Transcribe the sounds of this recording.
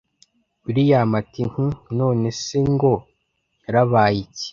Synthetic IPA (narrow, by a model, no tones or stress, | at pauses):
uɾijamatiŋunoːneseŋɡo | ɾaβaːjici̥